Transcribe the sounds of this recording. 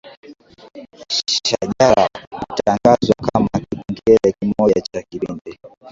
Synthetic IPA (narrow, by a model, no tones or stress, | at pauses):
ʃaʄaɾahutaŋɡazwakamakiɓɛŋɡɛɾɛkimɔʄat͡ʃakiɓindi